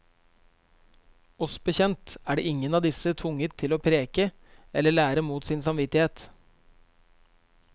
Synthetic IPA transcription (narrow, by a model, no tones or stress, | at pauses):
ɔsbəçɛnt̪æːɖḛːɪŋənɑːd̪ɪsət̪ʰʊŋət̪ʰːɪloːpʰɾeːkə | ɛləɭæːɾəmuːt̪siːnsɑmʋɪt̪ɪheːt̪